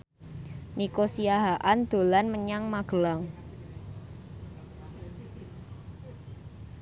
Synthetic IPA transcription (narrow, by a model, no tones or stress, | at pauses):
nikosiaɦaʔand̪̥o̤lanməɲaŋmaɡ̥əlaŋ